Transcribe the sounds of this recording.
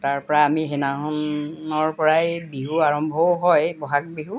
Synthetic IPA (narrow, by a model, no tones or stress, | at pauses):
taɹpɔɹaamiɦenaɦɔnɔɹpɔɹajbiɦuaɹɔmbʱɔɦɔjbɔɦak̚biɦu